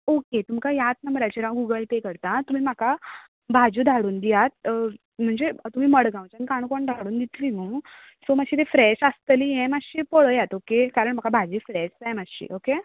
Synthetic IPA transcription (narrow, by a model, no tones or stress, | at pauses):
oket̪umkajat̪nəmbɾat͡ɕeɾãʋɡuɡəlpekəɾt̪at̪um̤iːm̤aka | bʱad͡ʑud̪ʱaɽuːnd̪ijat̪̚ | m̤əɳd͡zet̪um̤iːməɽɡãw̃t͡ɕanikaɽ̃koɳd̪ʱaɽuːnd̪it̪linũː | somaɡɕiːt̪efɾɛɕəst̪lijɛ̃maɡɕiːpoɭəjat̪okekaɾəɳm̤akabʱad͡ʑifɾɛɕd͡zajmaɕḭːʔoke